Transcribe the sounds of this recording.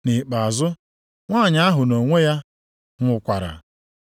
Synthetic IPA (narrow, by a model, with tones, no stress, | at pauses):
ni˨k͡pa˨zʊ˦ | ŋʷa˦˨ɲa˦a˦ɦʊ˨no˨ŋʷe˦ja˦ | ŋʷʊ˦kʷa˨ɾa̰˨